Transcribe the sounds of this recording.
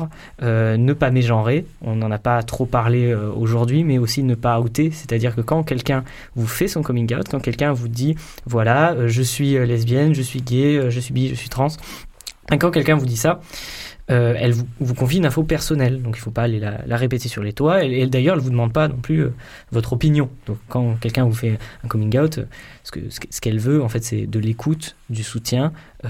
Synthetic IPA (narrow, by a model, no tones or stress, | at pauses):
ʁ | ønəpameʒɑ̃ʁeɔ̰̃nɑ̃napat̪χopaʁleøo̰ʒuʁd̪ɥimɛosinəpaot̪esɛ̥t̪ad̪iʁkəkɑ̃kʲɛlkʲɛ̃ | vufɛsɔ̃kɔmĩŋɡawt̪kɑ̃kʲɛlkʲɛ̃vud̪i | vwalaøʒəsɥiølɛzbjɛnʒəsɥiɡʲeøʒəsɥibiʒəsɥit̪χɑ̃s | mɛkɑ̃kʲɛlkʲɛ̃vud̪isa | øɛ̰lvuvukɔ̃fjiynɛ̃fopɛʁsɔnɛld̪ɔ̃kilfopaːlela̰laʁepet̪esyʁlet̪waɛd̪ajœʁɛlvud̪əmɑ̃d̪̚panɔ̃plyø̰ | vɔt̪χɔpinjɔ̃d̪̥ɔ̃kːɑ̃kʲɛlkʲɛ̃vufɛɛ̃kɔmĩɡawt̪ø̰ | sə̥kə̰sə̥sə̥kɛlvøɑ̃fɛt̪sɛ̰d̪əlekʰut̪ | d̪ysut̪jɛ̃